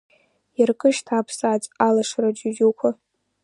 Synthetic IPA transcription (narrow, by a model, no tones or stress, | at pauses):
jarkʼɨʃtʰaːpʰsat͡sʼalaʂrad͡ʒud͡ʒukʷʰa